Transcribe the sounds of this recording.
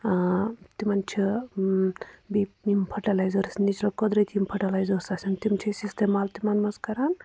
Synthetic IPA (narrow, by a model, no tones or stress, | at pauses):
t̪imant͡ʃʰi | bipnimpʰɐʈalajzəɾsnit͡ʃʰlɐkɔd̪ɾɐjt̪ʰʲimpʰɐʈɐlajzəɾsasint̪imt͡ʃʰisist̪emalt̪imanmɐzkɐɾan